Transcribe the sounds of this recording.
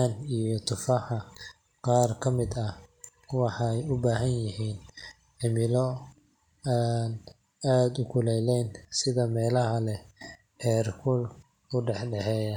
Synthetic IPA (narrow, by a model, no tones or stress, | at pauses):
anijɔt̪ʰʊfɑħɑ | qɑːrkʰɐmɪd̪ɐ | wɑħɑjʊbaːɦɐnjɪɦiːn | ʕɪmɪlɔ | an | aːd̪ʊkʰʊlɛjlɛjnsɪðɐmɛːlɐɦɐlɛ | ʔɛːrkʰʊl | ʊɖɛħɖɛħɛːjɐ